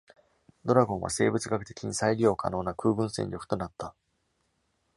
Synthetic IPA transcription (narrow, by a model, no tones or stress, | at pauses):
d̪o̞ɾaɡõ̞ɰ̃βa̰se̞̰ːbɯ̟t͡sɨɡakɯ̟d̪e̞kʲĩñsaiɾʲio̞ːka̰no̞ːnakɯ̟ːɡɯ̟̃ɰ̃sẽ̞̰ɲʲɾʲo̞kɯ̟̥t̪o̞nat̪ːa